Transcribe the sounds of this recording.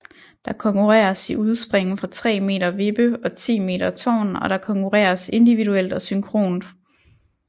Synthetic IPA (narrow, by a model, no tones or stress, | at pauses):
d̥ɑ̈kʰɒ̽ŋkʰuʁɛ̰ːɐsiuð̞ˠsb̥ʁeŋ̰n̩fʁɑ̈t͡sʰʁɛ̰ːme̝̰ːɾɐʋe̝b̥əɒ̽t͡sʰḭːme̝̰ːdɐt͡sʰɒ̰ːnɒ̽ɾ̥ɑ̈kʰɒ̽ŋkʰuʁɛ̰ːɐse̝nd̥iʋiduel̰d̥ɒ̽syŋkʰʁo̝̰ːnd̥